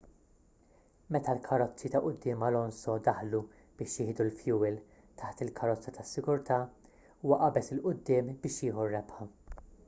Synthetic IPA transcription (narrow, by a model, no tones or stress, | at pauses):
mɛt̪ɐlkʰɐɾɔt͡sːit̪ɐʔʊd̪ːɪːmɐlɔnsɔd̪ɐħlu | b̥ɪːʃjɪhɪd̪ulfjuːwɪl | t̪ʰɐħt̪ɪlkʰɐɾɔt͡sːɐt̪ɐsːɪɡʊɾt̪ɐː | uːwɐʔɐbɛsɪlʔʊd̪ːɪːmbɪːʃjɪːħurːɛpħɐ